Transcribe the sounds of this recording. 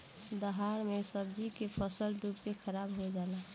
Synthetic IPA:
d̪əɦaːɾmesəbd͡ʒikepʰəsəlɖupkexʰəɾaːbɦod͡ʒaːla

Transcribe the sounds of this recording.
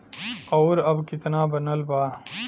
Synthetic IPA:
ɐwɾɐbkit̪naːbɐnɐlbaː

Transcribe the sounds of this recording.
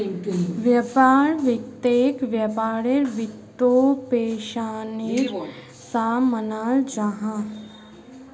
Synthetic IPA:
ʋjɐpaːɾʋɪkt̪eːkʋjɐpaːɾeɾʋɪt̪ːopeːʃaːniɾ | saːmənaːld͡ʒaɦã

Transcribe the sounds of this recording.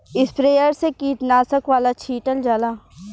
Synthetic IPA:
ɪspɾeːjəɾsekiːt̪naːsəkʋaːlat͡ʃʰiːʈəld͡ʒaːlaː

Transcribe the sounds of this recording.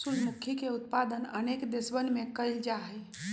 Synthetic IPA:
sud͡ʒmukʰikeʊt̪̚pad̪ənə̰nekd̪ɪsbənmẽkəɪld͡ʒaɦəj

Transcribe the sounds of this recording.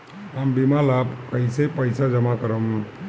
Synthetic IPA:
ambimalaːbkəjsepəjsad͡ʒəmakəɾəmũ

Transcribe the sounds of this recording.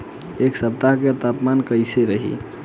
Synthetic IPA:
eksəp̚t̪aɦket̪apmankəjseɾəɦḭ

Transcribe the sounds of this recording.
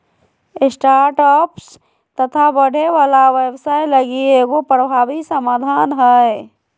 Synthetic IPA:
ɪsʈaːɾʈɔps | t̪ət̪ʰabəɽ̤ʱeʋaːlaʋebsaːjləɡieɡopɾəbʱaːʋisəmaːd̪ʱaːnɦə

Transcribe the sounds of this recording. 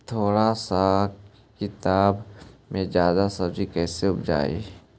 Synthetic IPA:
t̪ʰoːɽasa | kɪt̪aːbmẽzjaːd̪asɐbd͡ʒikɛːseʊbd͡ʒa̰ːḛː

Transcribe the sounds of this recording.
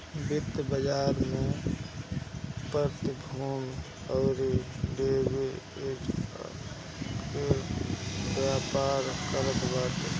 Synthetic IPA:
bɪt̪ːbəd͡ʒaːɾme | pəɾt̪ibʱuːn | ɔːɾibeːbe | ke | bjaːpaːɾkələt̪baːt̪e

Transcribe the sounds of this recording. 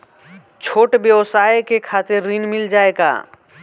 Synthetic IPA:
t͡ʃʰoːʈbjəʋsaːjkekʰaːt̪ɪɾːinmɪld͡ʒaːeːɡa̰ː

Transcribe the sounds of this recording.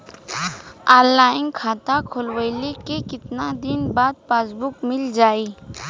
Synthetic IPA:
aːlaːɪ̃ŋkʰaːt̪akʰoːlwəjlekekɪt̪nad̪ɪnbaːd̪̚paːsbʊkmɪld͡ʒaːiː

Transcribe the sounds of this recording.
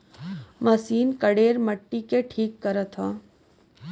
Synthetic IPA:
mɐsiːnkəɽeːɾməʈːikeʈʰiːkːəɾət̪ɦãː

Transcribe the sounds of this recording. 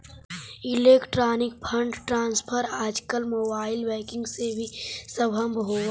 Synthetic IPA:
ɪleːkʈɾaːnɪk̚pʰə̃ɳɖʈɾãːnspʰəɾaːd͡ʒkəlmoːbaːɪlʋɛːkɪ̃ŋɡsebʱisəbʱə̃mbɦoː

